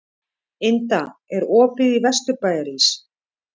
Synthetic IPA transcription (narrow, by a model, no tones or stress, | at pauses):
ɪnt̪aɛɾɔːpɪðivɛst̪ʏpaːjðaɾis